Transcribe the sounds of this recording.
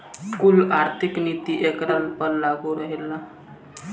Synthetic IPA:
kulaɾt̪ʰiknit̪iʔekɾəlpəɾlaɡuɾəɦela

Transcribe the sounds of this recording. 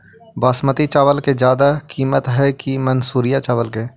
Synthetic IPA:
baːsmət̪it͡ʃaːʋəlked͡ʒjaːd̪akiːmət̪ɦɛkimənsuːɾijat͡ʃaːʋəlke

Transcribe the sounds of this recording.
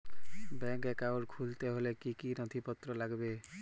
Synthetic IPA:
bɛŋkekawɖkʰult̪eɦolekikinɔt̪ʰipɔt̪ɾɔlaɡbe

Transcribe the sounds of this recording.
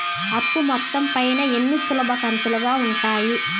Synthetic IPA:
ɐpːumɔt̪ːɐmpɐjnɐe̞nːisulɐbʱɐkɐnt̪uluɡaːuɳʈaːji

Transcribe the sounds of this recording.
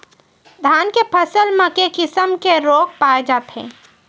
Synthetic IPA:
d̪ʱaːnkepʰɐsəlməkekɪsəmkeɾoːk̚paːd͡ʒapʰɦḛ̃ː

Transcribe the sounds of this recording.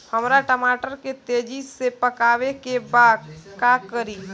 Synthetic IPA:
həmɾaʈəmaːʈəɾket̪eːd͡ʒisepəkaːʋekebaːd̪̚kakəɾiː

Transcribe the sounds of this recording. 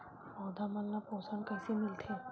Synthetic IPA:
ɔːd̪ʱamanːapoːsənkɛːsemɪlt̪ʰẽ

